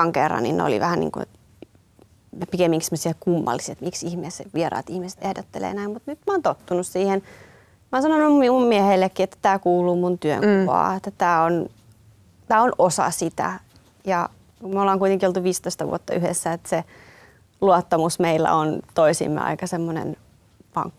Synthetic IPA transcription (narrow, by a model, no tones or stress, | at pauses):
ɑŋkerːɑ̰nːḭnnḛo̰lḭʋæhænḭːŋkṵḛ | pikemːiŋkisemːosiɑkumːɑ̰lːiset̪miksihmeːseʋieɾɑ̰ːt̪ihmise̥t̪ʔehdot̪ːelḛːnæimmut̪nyt̪mɑoːnt̪ot̪ːunussiːhen | monsɑnonuimummiehelːekːiet̪ːæ̥t̪æːkuːluːmunt̪yø̰ŋkuʋɑ̰ːet̪ːæt̪æːon | t̪æːonʔosɑ̰sit̪æ̰ | jɑ | kumolːɑːŋkuit̪eŋkiolt̪uʋiːst̪oist̪ɑʋṵot̪ːɑʔyhḛsːæet̪se | luot̪ːɑmusmeilːæ̰ont̪oisḭmːḛɑ̰ikɑsemːonḛn | pɑ̰ŋkːɑ